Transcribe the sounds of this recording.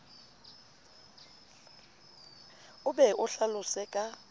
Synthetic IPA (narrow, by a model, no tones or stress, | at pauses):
ʊɓɛʔʊɬalʊsɛkʼa